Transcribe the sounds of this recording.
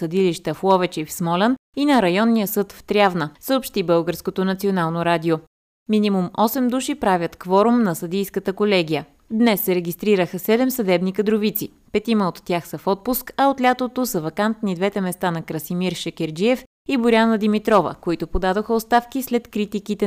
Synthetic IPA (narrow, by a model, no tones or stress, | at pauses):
sɐd̪iliʃt̪əflˠɔvɛt͡ʃifsmɔlʲɛninɐɾɐjɔnːijəsɤt̪ft̪ɾʲjavnəsəopʃt̪ibɤlˠɡəɾskot̪onɐt̪sionalˠnoɾad̪io | minʲimumɔsɛmd̪uʃipɾavʲət̪kvɔɾʊmnɐsɐd̪ijskət̪əkolɛɡʲijə | d̪nɛsːɛɾɛɡʲist̪ɾiɾəxəsɛd̪ɛmsɐd̪ɛbnikəd̪ɾovit̪si | pɛt̪iməot̪ːʲjaxsəfɔt̪̚puskɐot̪lʲat̪ot̪osɐvɐkant̪nid̪vɛt̪ɛmɛst̪anɐkɾɐsimiɾʃɛkʲɛɾd͡ʒiɛf | ibʊɾʲanəd̪imit̪ɾɔvə̰koit̪opod̪ad̪oxəost̪afkislɛt̪kɾit̪ikit̪ɛ